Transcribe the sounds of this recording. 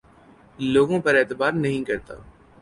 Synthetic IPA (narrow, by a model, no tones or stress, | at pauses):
loːɡõːpɐɾɛːt̪ɪbaːɾnɐɦĩkɐɾt̪a̰ː